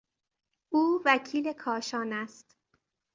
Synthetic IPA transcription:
ʔuːvæcʰiːle̞kʰɒːʃɒːnæst̪

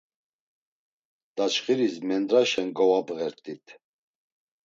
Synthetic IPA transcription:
d̪̥at͡ʃχiɾismɛnd̪ɾaʃɛnɡɔvabʼɣɛɾt̪ʰʼit̪ʰ

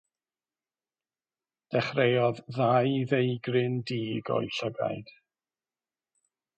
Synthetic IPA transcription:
d̥ɛχrejɔððajðejɡrɪndiːɡɔ̰jɬəɡa̰jd̥

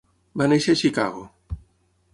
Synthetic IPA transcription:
banejʃeʃika̰ɣo

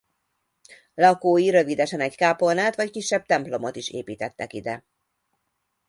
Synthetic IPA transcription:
lɒkoːjiɾø̞vid̪ɛʃɛnɛckaːpo̞naːt̪ʋɒckiʃːɛb̚t̪ɛmplo̞mo̞t̪iʃḛːpiːt̪ɛt̪ːɛkid̪ɛ

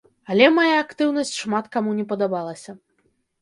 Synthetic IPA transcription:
ɐlʲɛmajaːkt̪ɨwnɐsʲt͡sʲʂmat̪kamunʲɛpɐd̪abalˠɐsʲɐ

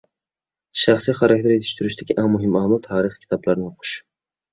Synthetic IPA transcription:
ʃaχsijχaɾak̚ʲt̪ʰeɾe̞t̪ʰɪ̥ʃt̪ʰʊɾɪʃd̪aɡʲɪʔamʊɦɪmamɪlˠt̪ʰaːɾɨχkʲʰɪ̥t̪ʰɒblaɾnɪjoqʰʊ̥ʃ

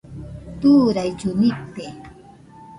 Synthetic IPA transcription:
t̪uːɾajt͡ʃʊnɪpːe

